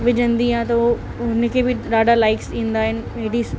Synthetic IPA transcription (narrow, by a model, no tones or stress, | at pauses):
ʋɪd͡ʑə̃nd̪iɦãt̪ɐo | ʊnkʰebʱɪɗaːɖalaːɪksĩːnd̪aːɦɪnɪ̆ʋeɦɪɽis